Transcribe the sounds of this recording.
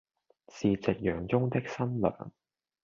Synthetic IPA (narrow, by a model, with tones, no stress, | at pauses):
siː˨t͡sɪ˨k̚jœː˨˧ŋt͡sʊ˥ŋt̪ɪ˥k̚sɐ˥nlœ̰ː˨˩n